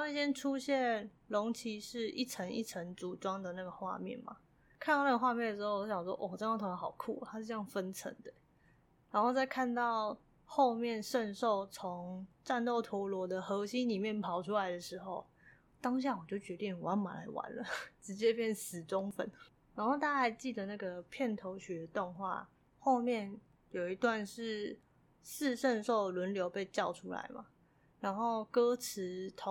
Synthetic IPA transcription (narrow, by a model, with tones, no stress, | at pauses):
ɕjɛ˥nʈ͡ʂʰu˥ɕjɛ˥˩n | lʊ˧˥ŋt͡ɕʰi˧˥ʂɻ̩˥˧i˥˩ʈ͡ʂʰə˧˥ŋḭ˥˩ʈ͡ʂʰə˧˥ŋt͡su˨˩ʈ͡ʂwɑ˥ŋd̪ə˨na˥˩ɡə˩xwa̰˥˧mjɛ̰˥˨nma̰˩ | kʰa˥nt̪ɑ˥˧ʊn˥ɡə˧xwa˥˧mjɛ˥˩nd̪ə˩ʂɻ̩˧xo˥˩˨o˥ɕjɑ˨ŋ˩wɔ̰˥ʔɔ˧˨˩ʈ͡ʂə˥n˥˩t̪ʰŋ˩xɑ˨˩ʊkʰṵ˥˩˨t̪ʰa˥ʂɻ̩˥˧ʈ͡ʂjɑ˥˩ŋfə˦˥nʈ͡ʂʰə̰˧˦ŋd̪ə˨ | ɻa˨˧˥nxo˥˧ʊt͡sa˥˧ɪkʰa˥˧nt̪ɑ˥˧ʊ | xo˥˧ʊmjɛ˥˨nʂə˥˧nʂo˥˩ʊt͡sʰo˧˦ŋʈ͡ʂa˥˧nt̪o˥˩ʊt̪ʰwɔ˧˥lwɔ˧˥d̪ə˨xɤ˧˥ɕi˦ŋli˨˩mjɛ˥˩npʰɑ˨˩ʊʈ͡ʂʰu˦˥la˧ɪd̪ə˨ʂɻ̩˧˥xo˥˧ʊ | t̪ɑ˥ŋɕ̬ja˥˩wɔ˨˩t͡ɕjo˥˩ʊt͡ɕɥɛ˧˥t̪i˥˩ŋwa˧˥nma̰˨˩la̰˧˥ɪwa̰˧˦nlə̰˨˦ʈ͡ʂɻ̩˧˥t͡ɕjɛ˥pjɛ˥˩nsɹ̩˨˩ʈ͡ʂʊ˥ŋfə̰˨˩˦n | ɻa˧˥nxo˥˩ʊt̪a˥a˥˩a˨˧˥ɪt͡ɕi˥˩d̪ə˩na˥˩ɡə˩pʰjɛ˥˩nt̪ʰo˧˥ʊɕɛ˨˥d̪ə˨t̪ɔ˥˧ŋxwa̰˥˩ | xo˥˧ʊmjɛ˥˩n | jo˨˩ʊi˨˧˥t̪wa˥˧nʂɻ̩˥˧ | s̩˥˧ʂə˥˧nʂo˥˩ʊlwə˧˥nljo˧˥ʊpe˥˧ɪt͡ɕjɑ˥˩ʊʈ͡ʂʰu˥la̰˧˥ɪma̰˨˩ | ɻa˧˥nxo˥˩ʊkɤ˥ʈ͡ʂʰɻ̩˧˥t̪ʰo˧˦